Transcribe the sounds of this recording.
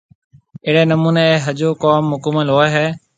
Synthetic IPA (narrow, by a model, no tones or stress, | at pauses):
eːɽeːnəmuːneːeːɦəd͡ʒoːkoːmɦʊkəməlɦoːeːɦɛː